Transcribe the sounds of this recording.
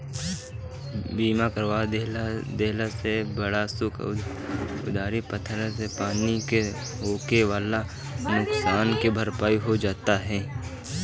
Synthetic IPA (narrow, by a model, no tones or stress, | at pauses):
biːmakəɾʋaːd̪eld̪eːlasebɐɽasʊk | ʊd̪aːɾipət̪ʰɾãsepaːnike | ɦoːkeʋaːla | nʊksaːnkebʱɐɾpaːiɦod͡ʒaːt̪aɦɛː